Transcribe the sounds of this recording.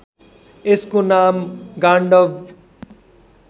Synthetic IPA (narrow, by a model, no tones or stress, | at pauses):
eskonamɡaɳɖʌʋ